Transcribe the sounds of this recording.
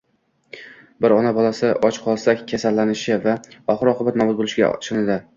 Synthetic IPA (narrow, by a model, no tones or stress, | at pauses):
bɪɾɒnabɒlˠasɪʔɒt͡ʃqʰɒlˠsakʲkʲʰasalːanɪʃɪvaɒχɨɾɒqʰɨbat̪nɒbʊt̪̚bolˠɪʃɡʲa̰ʃɪnɪd̪ɪ